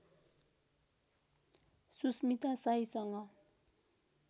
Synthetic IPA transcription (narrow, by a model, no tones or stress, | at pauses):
susmit̪asajsʌŋʌ